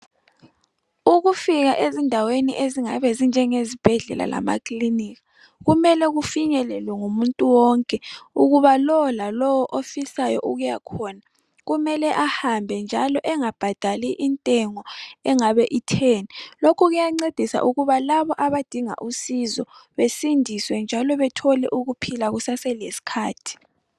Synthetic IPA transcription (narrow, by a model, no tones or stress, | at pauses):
uɣufiɣaʔezindʱaweniʔeziŋa̰βɛzind͡ʒʱɛŋezib̥ʱɛɮɛ̰la̰la̰ma̰kʰliniɣa | ɣumɛlɛɣufiɲɛlɛlwɛŋumuntʼuwɔŋkʼɛuɣuβalɔwɔlalɔwɔʔofisajɔ̰ʔuɣujakʰɔna | ɣumɛlɛʔahambʱɛnd͡ʒʱalɔʔɛŋab̥ʱad̥ʱaliʔintʼɛŋɔɛŋaβɛʔitʰeːnilokʰuɣujaŋ͡ǀed̥ʱisa̰ʔuɣuβalaβɔʔaβad̥ʱiŋa̰ʔusizɔ̰βesindʱiswɛnd͡ʒʱalɔβɛtʰɔlɛʔuɣupʰilaɣusasɛlesi̥kʰaːtʰi̥